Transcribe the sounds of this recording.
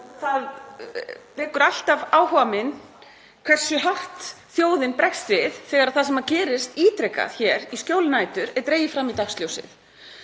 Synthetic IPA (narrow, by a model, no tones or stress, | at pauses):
θað | lɪːkʏɾal̥t̪avaːwɦɔːvamɪn | kʰv̥ɛr̥sʏɦar̥t̪θjoːwðɪnpɾɛxst̪vɪð̥θɛːɣaɾaðθasɛmaðcɛːɾɪst̪iːt̪ɾɛka̰ðçɛːɾiscjowlɪnaːjt̪ʏɾɛt̪ɾeːjɪfɾamːit̪axsljoːwsɪ̰θ